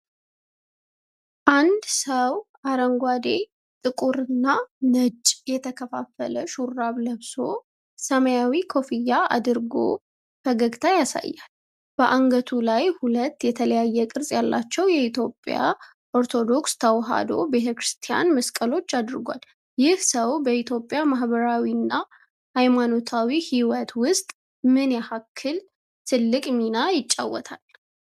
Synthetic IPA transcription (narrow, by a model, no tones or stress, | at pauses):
ʔand̪səw | aɾəŋɡʷad̪e | t̪ʼɨkʼuɾɨnːanət͡ʃʼjɛt̪ʰəkʰəfafːələʃuɾːaβləβso̞ | səməjawikʰo̞fijːaa̰d̪ɨɾɡo̰ | fəɡəɡt̪ʰajasa̰jːal | b̥əʔaŋɡət̪ʰulajhulət̪ːjɛt̪ʰələjajːɛkʼɨɾsʼjalːat͡ʃːɛwjɛit̪ʰjo̞pʼːja̰ | ʔoɾt̪ʰo̞d̪o̞kst̪ʰəwɦa̰d̪o̞̰be̞t̪ʰəkɾɨst̪ʰija̰nməskʼəlo̞t͡ʃːad̪ɨɾɡʷa̰l | jɪhsəwbəʔit̪ʰjo̞pʼːjamaɦbəɾawinːa | hajmano̞t̪ʰawihiwət̪wʊst̪ʼ | mɨnjahakʰːɨl | t̪ʰɨlːɨkʼminajɪt͡ʃʼːa̰wːɔt̪ʰal